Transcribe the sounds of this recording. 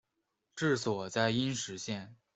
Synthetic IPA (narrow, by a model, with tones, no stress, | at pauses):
ʈ͡ʂɻ̩˥˩swɔ˨˩t͡ɕja˥ɪi˥nʂɻ̩˧˥ɕjɛ˥˩n